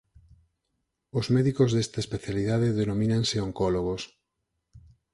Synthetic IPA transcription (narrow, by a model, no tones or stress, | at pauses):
ozmeðikozðest̪aespeθjaliðaðeðenomĩnaŋseoŋkoloɣ̞os